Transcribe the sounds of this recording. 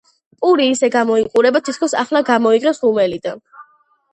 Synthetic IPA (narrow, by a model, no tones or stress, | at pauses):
pʼuɾiːsɛɡamɔiqʼuɾɛbat̪ʰit̪̚ʰkʰɔsa̰χlaɡamɔiʁɛsumɛlid̪an